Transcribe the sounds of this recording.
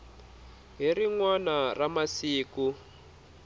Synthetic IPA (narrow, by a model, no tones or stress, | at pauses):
ɦiriŋwanaramasiːku